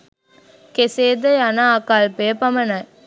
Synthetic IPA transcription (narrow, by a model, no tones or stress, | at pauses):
keseːd̪ɐjanaːkaːlpejəpɐmɐnɐj